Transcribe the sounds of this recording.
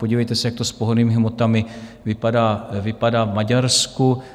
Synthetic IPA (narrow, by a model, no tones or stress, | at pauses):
po̞ɟiːvɛjt̪ɛsɛjak̚t̪ospoɦoniːmɪɦmot̪amɪvɪpadaːvɪpadaːvmaɟaɾsku